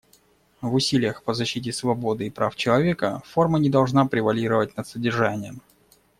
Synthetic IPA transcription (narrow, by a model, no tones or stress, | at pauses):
vʊsʲilʲɪjəxpəzɐɕːit̬ʲɪsvɐbo̞d̪ɨɪpɾʔaft͡ɕɪlˠɐvʲe̞kə̰fo̞rmənʲɪd̪ɐlˠʐnapɾʲɪvɐlʲiɾəvət̚ʲnət̪sədʲɪrʐanʲɪjəm